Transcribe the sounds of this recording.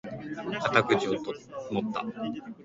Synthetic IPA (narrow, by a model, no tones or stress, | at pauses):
kat̪akɯ̟ʑiot̪mot̪ːa̰